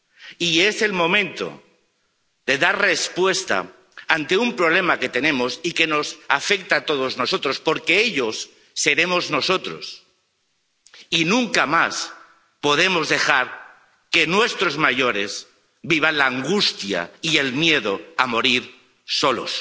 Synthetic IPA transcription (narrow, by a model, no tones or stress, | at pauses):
ie̞se̞lmõ̞mẽnt̪o̞̰ | ðe̞ðaɾre̞spwe̞st̪a̰ | ant̪e̞umpɾo̞βle̞make̞t̪e̞nẽ̞mo̞sike̞no̞safe̞k̚t̪at̪o̞ð̞o̞zno̞so̞t̪ɾo̞spo̞ɾke̞eʎo̞sː | e̞ɾe̞mo̞zno̞so̞t̪ɾo̞̰s | inũŋkamas | po̞ð̞e̞mo̞zðe̞xaɾ | ke̞nwe̞st̪ɾo̞zmaʝo̞ɾe̞s | biβ̞anlaːŋɡust̪ja̰ie̞lmje̞ðo̞amo̞ɾiɾ | so̞lo̞̰s